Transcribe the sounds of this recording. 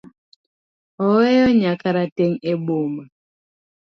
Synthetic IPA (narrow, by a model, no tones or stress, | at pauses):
ɔwɛjɔɲakaɾateŋeɓoma